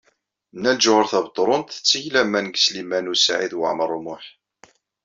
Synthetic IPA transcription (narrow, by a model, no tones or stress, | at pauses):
nːæld͡ʒʊʁəɾθæbt̪ˤːɾˤont̪θə̥t͡sːəçlæmːænɡslimænusʕiðwə̰ʕməɾˤumʊħ